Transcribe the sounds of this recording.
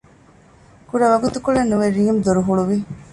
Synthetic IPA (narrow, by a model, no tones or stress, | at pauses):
kuɾɐʋɐɡut̪ukuɭenːuʋeɾiːmd̪oɾuɦuɭuʋi